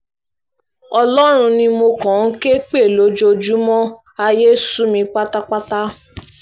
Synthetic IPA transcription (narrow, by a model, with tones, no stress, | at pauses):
ɔ˧lɔ˦ɾ̃ũ˧nĩ˧mo˧kɔ̃˨n̩˦ke˦k͡pe˦˨lo˨˦d͡ʒo˧d͡ʒu˦mɔ̃˦ | a˧je˦su˦mĩ˧k͡pa˦ta˦k͡pa˦ta˦